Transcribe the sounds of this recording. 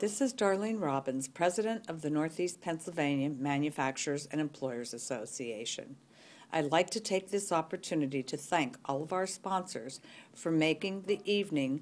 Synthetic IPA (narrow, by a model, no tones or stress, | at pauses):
ðɪsɨzdɑɹlˠɪ̃nɹɑbɨ̃nz̥pʰɹ̥ɛzɨɾɨ̃ntʌvðɨnɔɹθispʰɛ̃nsl̩ˠvẽɪ̃njɨmæ̃njɨfæk̚t͡ʃə˞zɨ̃ñɨ̃mpʰl̥ɔɪə˞zɨsoʊsieɪʃɨ̰̃n | ʔaɪlaɪk̚tʰɨtʰeɪk̚ðɪsɑpə˞tʰʉnɨɾiɾɨθæ̃ŋkʔɔlˠʌvaʊə˞spɑ̃nsə̰˞z̥fə˞meɪkɪ̃ŋðiʔivnɪ̃ŋ